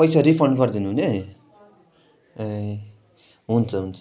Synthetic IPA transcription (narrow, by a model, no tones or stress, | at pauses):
pʌjsaɾipʰʌrɳɖɡʌrd̪inuɦune | ɦunt͡sʰʌɦunt͡sʰʌ